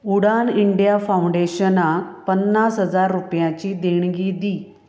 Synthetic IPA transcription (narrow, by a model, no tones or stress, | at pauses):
uɽaniɳɖjafawɳɖeɕənakpənːasɦəd͡zaɾːupjãt͡ɕiːd̪eɽ̃ɡid̪iː